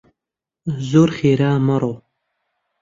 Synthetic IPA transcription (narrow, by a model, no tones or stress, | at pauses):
zoːɾxeːɾaːməɾoː